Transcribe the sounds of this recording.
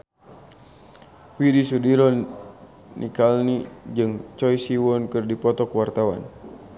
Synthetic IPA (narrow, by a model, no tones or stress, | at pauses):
widisudiɾɔ | nʔḭkalnid͡ʒɨŋt͡ʃɔjsiwɔnkɨrdipɔt̪ɔkwart̪awa̰n